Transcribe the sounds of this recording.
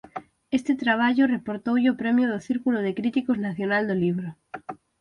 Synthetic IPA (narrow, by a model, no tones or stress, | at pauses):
est̪et̪ɾaβ̞aʝorepoɾt̪owʝopɾemjoð̞oθiɾkuloð̞ekɾit̪ikoznaθjo̞nald̪oliβ̞ɾo